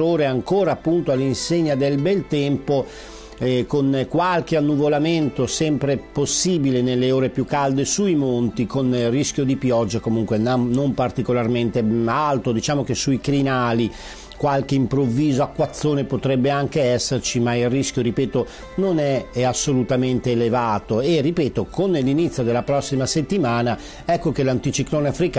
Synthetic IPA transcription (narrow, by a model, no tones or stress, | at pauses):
oːɾeaŋkoːɾaːpːunt̪oalːinseɲːad̪elbɛlt̪ɛmpo | konkwalk̟eanːuvolament̪osɛmpɾeposːiːbilenelːeoːɾepjukːald̪esuimont̪ikonrisk̟jod̪ipjɔd͡ʒːakomuŋkwenamːompart̪ikolarment̪ealt̪od̪it͡ʃaːmok̟esuikɾinaːli | kwalk̟eimpɾovːiːzoakːwat̪sːoːnepot̪ɾɛbːeaŋk̟eɛsːert͡ʃimailrisk̟joɾipɛːt̪o | nonɛasːolut̪ament̪eːlevaːt̪oeripɛːt̪okonːelːinit̪sːjod̪elːapɾɔsːimaset̪ːimaːna | ɛkːokelant̪it͡ʃikloːneafɾik